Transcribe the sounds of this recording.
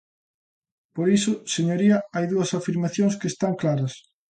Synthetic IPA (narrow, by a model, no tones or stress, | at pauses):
poɾisʊseɲoɾiɐajðuɐsafiɾmaθjõŋskest̪aŋklaɾɐs